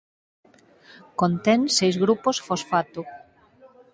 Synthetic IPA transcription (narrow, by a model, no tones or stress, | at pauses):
kont̪ɛnsejzɣɾuposfosfat̪ʊ